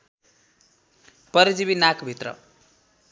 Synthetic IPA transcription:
pʌɾid͡zibinakʰbʱit̪rʌ̰

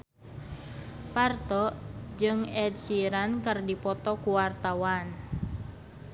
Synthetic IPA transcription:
part̪ɔd͡ʒɨŋɛd̚siɾankərdipɔt̪ɔkuwart̪awan

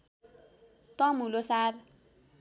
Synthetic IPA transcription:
t̪ʌmulosar

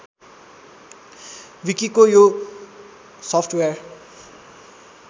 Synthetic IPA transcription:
wikikojo | sɔpʰʈʰwear

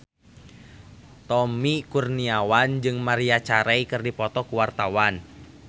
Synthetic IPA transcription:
t̪ɔmikurniawand͡ʒɨŋmaɾiat͡ʃaɾɛikɨrdipɔt̪ɔkuwart̪awan

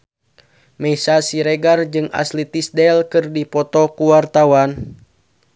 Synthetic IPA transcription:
mɛisasiɾɛɡard͡ʒɨŋa̰slit̪isdɛlkɨrdipɔt̪ɔkuwart̪awan

